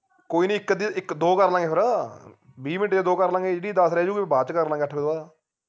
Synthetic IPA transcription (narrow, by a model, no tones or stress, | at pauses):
koːiːnĩːɪkːd̪iɪkd̪oːkəɾlãːŋɡeːpʰɪɾaː | biːmɪnʈeːeːd̪oːkəɾlãːɡeːd͡ʒeːɽiːd̪əsɾɛːd͡ʒuːkibaːt͡ʃkəɾlãːɡeːəʈʰbeaːa